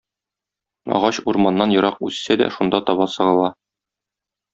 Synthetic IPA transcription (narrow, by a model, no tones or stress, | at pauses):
ɒ̰ʁɑɕuɾmɑnːɑnjɤ̆ɾɑqʉssæd̪æ̰ʃund̪ɑt̪ɒβɑsɤ̆ʁɤ̆lˠɑ